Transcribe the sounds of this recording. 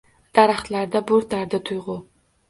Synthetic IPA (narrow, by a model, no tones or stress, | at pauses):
d̪̥aɾaχt̪laɾd̪abʊɾt̪ʰaɾd̪at̪ʰʊjʁʊ